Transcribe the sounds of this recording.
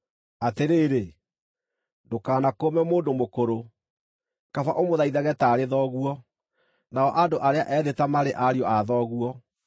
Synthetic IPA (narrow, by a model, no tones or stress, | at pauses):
ateɾeːɾe | dokaːnakomɛmoːndomokoɾo | kafaʔomoðaiðaɣɛtaːɾeðɔɣuɔ | naɔʔadoʔaɾeaʔɛːðetamaɾeʔaɾiɔaðɔːɣuɔ